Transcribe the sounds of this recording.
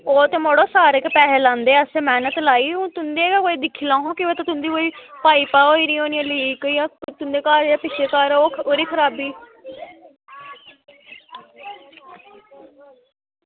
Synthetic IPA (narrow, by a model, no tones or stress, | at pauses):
oːt̪eːmoːɽoːsaːɾekpɛːɦelãːnd̪eːəseːmɛːnət̪laːiːõt̪ʊnd̪eːkakoːiːd̪ɪkʰːiːlãːɦõːkɪoːt̪at̪ʊnd̪iːkoːiːpaːiːpaːoːiːɾiːoːnijãːlikəiːãːt̪ʊnd̪eːkaːɾaːpɪʃeːkaːɾoːoːɾiːkʰəɾaːbiː